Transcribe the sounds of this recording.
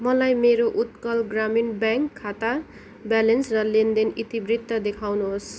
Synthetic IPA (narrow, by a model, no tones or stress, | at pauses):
mʌlajmeɾoʔut̪kʌlɡraminbaŋkʰːat̪a | balensrʌlend̪enit̪ibrit̪ːʌd̪ekʰawnuɦos